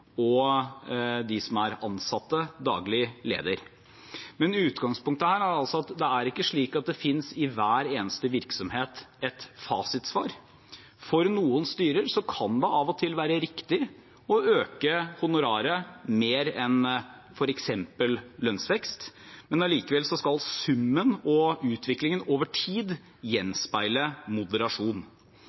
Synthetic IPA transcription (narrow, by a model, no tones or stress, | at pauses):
ɔ | d̪ɪsɔmæɾɑnsɑt̪ːəd̪ɑ̰ːɡlɪlḛːd̪əɾ | mɛnʉːt̪ɡɑŋspʊŋk̚t̪əhæːɾæɾɑlsɔɑt̪d̪ɛæɾɪkːəʂɭiːkɑt̪̚d̪ɛfɪnsɪʋæːɾeːnəst̪əʋɪɾksɔmheːt̪ɛt̪fɑːsɪt̪sʋɑ̰ːɾ | fɔɾnuːənst̪yːɾəɾsɔkʰɑnd̪ɛʔɑʋɔt̪ʰɪlʋæːɾəɾɪkt̪ɪ | ɔøːkəhʊnʊɾɑːɾəmeːɾɛn | fɔɾɛksɛmpəllœnsʋɛkst̪mɛnɑliːkəʋɛlsɔskɑlsʉmːənɔʉːt̪ʰʋɪklɪŋənoːʋəʈʰiːd̪ | jɛnspæɪləmʊd̪əɾɑʂuːn